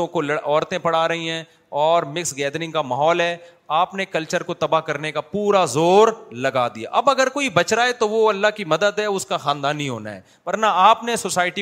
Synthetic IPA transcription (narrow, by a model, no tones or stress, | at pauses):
õkolɐɽʔɔːɾt̪ẽpɐɽaːɾɐɦĩɦɛ̃ː | ɔːɾmɪksɡɛːd̪ɾɪ̃ŋɡkamaːɦɔːlɦɛ | aːpnekɐlt͡ʃəɾkot̪ɐbaɦkɐɾnekapuːɾazoːɾlɐɡaːd̪ija̰ʔɐbɐɡəɾkoːibɐt͡ʃɾaːet̪oʋoɐlːaɦkimɐd̪əd̪ɦɛʊskaxaːnd̪aːnːɦĩɦo̰ːna̰ɦɛ̰ː | ʋɐɾnaaːpnesosaːɪʈi